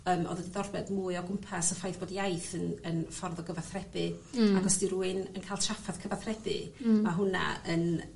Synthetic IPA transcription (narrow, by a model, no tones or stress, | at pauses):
əːmɔ̰ːðədiðɔrbɛdmuɨɔɡʊmpʰasɔfajθb̥oːdijajθənənfɔrðɔɡəvaθrɛdɨaɡɔsd̥iɾuːɨnənkʰajlˠtʰrafaðkʰəvaθrɛdɨ̰maɦʊna̰ən